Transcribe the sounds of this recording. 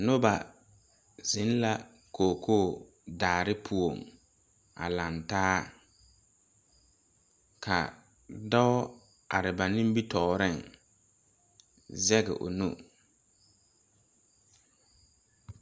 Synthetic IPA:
nʊ˦ba˨ | zɪ˨˦n˦la˦ | kʰoː˨kʰoː˦˨ | daː˨ɾɪ˦pʰu˨o˨m | a̰˨la˨ntaː˦ | kʰa̰˨ | dɔ˦ | a˨ɾɪ˨ba˨nɪ̃˦m˦bi˦tɔː˨ɾɪ˦˨ŋ | zɛ˦ɡɛ̰˨ʔʊ̰˨nṵ˦

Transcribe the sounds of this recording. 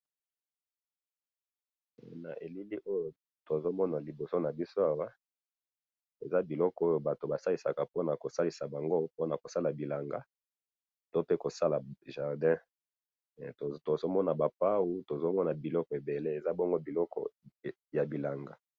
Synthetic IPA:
na̰˨ʔe˨li˦li˦ʔo˦jo˨ | to˨zo˦mɔ˦na˨li˨bo˨so˦na˨bi˦so˦a˦wa˦ | e˨za˦bi˨lɔ˦kɔ˦o˦jo˨ba˨to˨ba˨sa˦li˦˨sa˨ka˨po˦na˨ko˨sa˦li˨sa˨ba˨ŋɡo˦po˦na˨ko˨sa˦la˨bi˨la˨ŋɡa˦ | to˦pe˦ko˨sa˦la˨ʒa˨ʁdɛ̃˦˨ | to˨zo˦mɔ˦na˨ba˨pa˦wu˦to˨zo˦mɔ˦na˨bi˨lɔ˦kɔ˨e˨be˨le˦e˨za˦bɔ˦ŋɡo˦bi˨lɔ˦kɔ̰˨ | ja˨bi˨la˨ŋɡa˨

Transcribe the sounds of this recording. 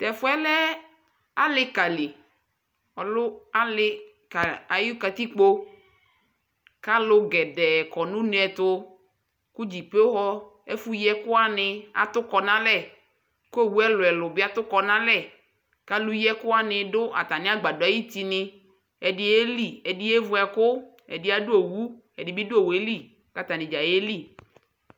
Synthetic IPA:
t̪ɛ˨fʊ˦ɛ˦lɛ˦ | a˦lɪ˦ka˨li˨ | ɔ˨lʊ˦a˦lɪ˦ | ka˨a˨ju˦ka˨t̪i˦k͡po˦ | ka˦lʊ˦ɡɛ˨dɛ˨kɔ˨nũ˦ne˦ɛ˨t̪ʊ˦ | ku˦d͡ʑi˨pe˦o˦ɦɔ˦ | e˦fu˦jɛ˦kʊ˦a˦nɪ˨a̰˨t̪ʊ˦kɔ˨nã˦lɛ˦˨ | ko˦e˦wu˦ɛ˦lʊ˨ɛ˨lʊ˨bɪ˦a˦t̪ʊ˦kɔ˨nã˦lɛ˦˨ | ka˦lu˦jɛ˦kʊ˦a˦nɪ̃˨ɖʊ˦ʔa̰˨t̪a˨nɪ̃˦a˦ɡ͡ba˨dʊ˨˦a˦ji˦t̪i˦nɪ˦ | ɛ˨ɖɪ˦e˦li˦˨ɛ˨dɪ˦e˦vʊ˦ɛ˨kʊ˦ | ɛ̰˨dɪ˦a˦dʊ˦o˨wu˦ | ɛ˨dɪ˨bi˦dʊ˦o˦˨we˦li˦˨ | ka˦t̪a˨nɪ̃˨d͡ʒa˨je˦li˦

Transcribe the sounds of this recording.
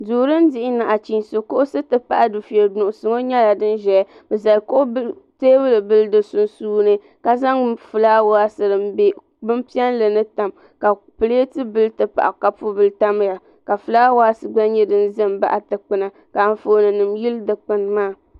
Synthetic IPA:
duː˨ɾɨ˦n˦dɪ˦ʔɪ˦na˨ʔa˨t͡ʃi˨nso˨ko˦ʔʊ˦sɨ˦tɨ˦pa̰˨ʔa˨dɨ˨fɛ˨ɾdʊ˨ʔʊ˨sɨ˨ŋo˦ɲɛ˦la˨dɨ˦nʒɛ˨˦ | bɛ˨za˨lko˦ʔʊ˦ | teː˦bɨ˦lɨ˨bɨ˦ldɨ˨sʊ˦nsuː˦nɨ˦ | ka˨za˦ŋfɨ˨laː˦wa˦sɨ˨ɾɨ˨b | bɨ˦mpi˦ɛ˦nlɨ˨nɨ˦ta˨m | ka˨ | pɨ˨leː˦tɨ˦bɨ˦lɨ˦tɨ˨pa̰˨ʔa˨ka˨pu˦bɨ˨lta˦m˦ja˨ | ka˨fɨ˨laː˦wa˦sɨ˨ɡ͡ba˦nɲɛ˦dɨ˦n˦zɨ˦mba̰˦ʔa˨tɨ˨k͡pɨ˦na˨ | ka˨n˨fo˨nɨ˨nɨ˨mji˦ldɨ˨k͡pɨ˨nmaː˦˨

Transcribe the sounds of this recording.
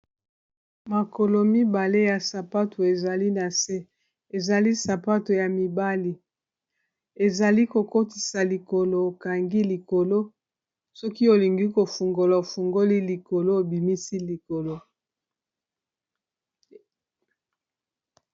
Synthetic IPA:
ma˨ko˨lo˨mi˦ba˨le˦ja˨sa˨pa˦to˨e˨za˨li˦na˨se˦ | e˨za˨li˦sa˨pa˦to˨ja˨mi˨ba˦li˨ | e˨za˨li˦ko˨ko˦ti̥˨sa˨li˨ko˨lo˨o˨ka˨ŋɡi˦li˨ko˨lo˦ | sɔ˦ki˦o˨li˨ŋɡi˦ko˨fu˨ŋɡo˨la˨o˨fu˨ŋɡo˦li˦li˨ko˨lo˦o˨bi˨mi˦si˦li˨ko˨lo˦

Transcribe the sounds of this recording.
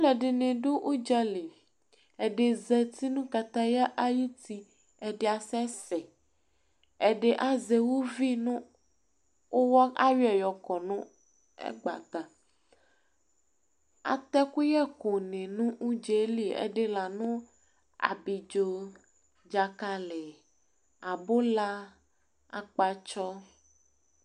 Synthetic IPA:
lɛ˨ɖe˨nẽ˨ɖo˦ʔu˦d͡ʒɛ˦li˨ | ɛ˨ɖe˨zɛ˦t̪i˦nũ˦ka˨t̪a˦ja˦ʔa˦ji˦t̪i˦ | ɛ˨ɖe˦a˨sɛ˦sɛ˨ | ɛ˨ɖe˦ʔa˦ze˨wo˦vi˦nũ˦ | o˦wɔ˦a˦wi˦ɛ˨jɔ˨kɔ˨nũ˦ | ɛ̰˦ɡ͡ba̰˨t̪a˨ | a̰˨t̪ɛ˦ku˦jɛ˦ko˨nẽ˨nũ˦ʔu˦d͡ʒe˦li˦ḛ˦ɖe˦la˨nũ˦ | a̰˨bi˨d͡ʒo˦ | d͡ʒa˨ka˦le˨ | a˨bo˦la˦ | a̰˨k͡pa˨t͡ʃɔ˦

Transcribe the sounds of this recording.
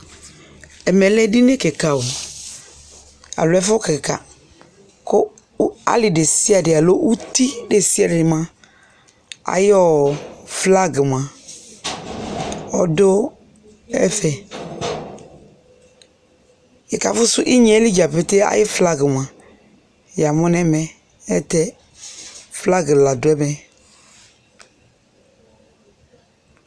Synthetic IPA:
ɛ˨mɛ˨lɛ˦dɪ˦ne˦kɛ˨ka˨wo˨ | a̰˨lʊ˨˦ɛ˦fkɪ˨kka̰˨ | kʊ˦ | a̰˦lɪ˨ɖe˨si˦a˨dɪ˨a˨lo˦ʔu˦t̪i˦de˨si˦a˨dɪ˨mã˦ | a̰˨jɪ˦ɔ˦˨fla˦ɡɪ˨m˨a˨ | ɔ˨dʊ˦ | ɛ̰˦fɛ˨ | e˨ka̰˨fʊ˦sʊ˦ʔi˦ɲ˨ɛ˨˦li˦d͡ʒa˨pe˨te˦a̰˨jɪ˦fla˦ɡɪ˨mã˨ | ja˨mɔ̃˦nɛ˦mɛ˨ | ɛ˦tɛ˦ | fla˦ɡɪ˨la˨dʊ˨˦ɛ˦mɛ˨

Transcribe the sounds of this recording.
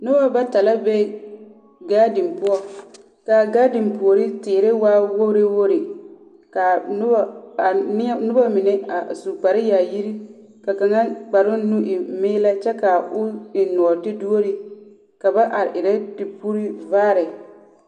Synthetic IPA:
nʊ˦a˦ba˦ta˨la˦be˦ | ɡaː˦dɪ˨mpʊ˦ɔ˦ | ka˨ɡaː˦dɪ˨mpʊ˨o˨ɾi˦tɪː˨ɾe˦waː˦wo˦ɾɪ˦wo˦ɾɪ˨ | ka˨˦˨ | n˦nʊ˦ba˦mɪ˨nɛ˦a˨su˨k͡pa˨ɾɪ˦jaː˨ji˦ɾi˦ | ka˨ka˨ŋa˦k͡pa˨ɾʊ˦nu˦ʔɪ˨mɪː˦la˦t͡ʃɛ˦ka˨ʊ˦ɪ˨nʊ˨ɔ˨tɪ˦du˦o˦ɾɪ˦ | ka˨ba˦ʔa˨ɾɪ˨ʔɪ˨ɾɛ˦dɪ˨pu˦ɾi˦vaː˦ɾɪ˨

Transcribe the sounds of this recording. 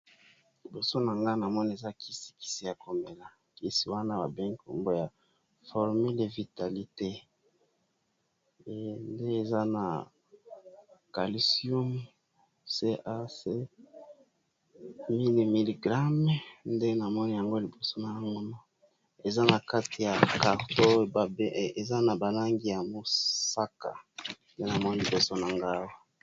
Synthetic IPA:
li˨bo˨so˦na˨ŋɡa˦na˨mɔ˦ni˦˨e˨za˦kʰi˦si̥˨ki̥˦si˨ja˨ko˨mbe˨la˨ | ki˦si˨wa˦na˦ba̰˨bɛ˦ŋ˦ko̰˨mbo˦ja˨ | fɔ˨ʁmi˦le˨vi˨ta˨li˦te˦˨ | nde˦e˨za˦na̰˨ | ka̰˨li˨si˦o˦m | se˦ʔa˦se˦ | mi˦li˨mi˨li˨ɡʁa˦m˦nde˦na˨mɔ˦ni˦ja˨ŋɡo˦li˨bo˨so˦na˨ja˦ŋɡo˦no˦ | e˨za˦na˨ka˦ti˨ja˨ka˨ʁto˦ba˨be˦˨e˨za˦na˨ba˨la˦ŋɡi˨ja˨mo˨sa˦ka̰˨nde˦na˨mɔ˦ni˨li˨bo˨so˦na˨ŋɡa˦wo˨

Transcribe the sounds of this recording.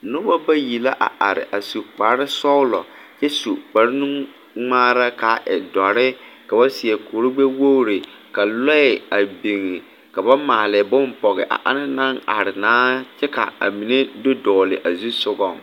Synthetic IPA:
nʊ˦ba˦ba˦ji˨la˦ʔa̰˨ʔa˨ɾɪ̰˨ʔa˨su˨k͡pa˨ɾɪ˦sɔ˦ʊ˦lɔ̰˨ | t͡ʃɛ˦su˨k͡pa˨ɾɪ˦nu˦ŋ | ŋ͡maː˦ɾa˦ka˨ʔɪ̰˨dɔ˨ɾɪ˦ka˨ba˦sɪ˨ɛ˨koː˨ɾʊ˦ɡ͡be˦wo˦ɾɪ˨ | ka˨lɔ˦ɪ˨a˨bi˨ŋɪ˨ | ka˨ba˦maː˨lɪ˨bʊ˦mpɔ˨ɣɪ˨ʔa̰˨ʔa˦na˦nã˦ŋa˨ɾɪ˨naː˦t͡ʃɛ˦ka̰˨a̰˨mi˨ne˦dʊ˦dɔː˨lɪ˨ʔa˨zu˦sʊ˦ɡɔ˦˨ŋ

